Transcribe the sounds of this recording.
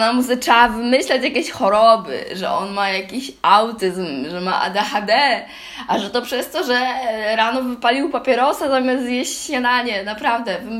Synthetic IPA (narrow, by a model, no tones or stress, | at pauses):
namusɘaavɘmɘɕlat͡ɕjakʲeɕxɔɾɔbɘ̰ʐɛ̰ʔɔ̰nmajakʲiɕʔawt̪ɘzmʐɛma̰ʔa̰d̪ɛxad̪ɛ | ʔaʐɛt̪ɔpʂɛst̪ɔʐɛɾanɔvɘpalʲiwpapʲjɛɾɔsazamʲjast̪jeɕɕɲad̪aɲɛnapɾavd̪ɛv